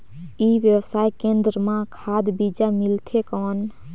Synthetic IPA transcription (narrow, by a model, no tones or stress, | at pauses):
iʋjəwsajkẽnd̪ɾəmãkʰad̪bid͡ʒamilt̪ʰekɔːn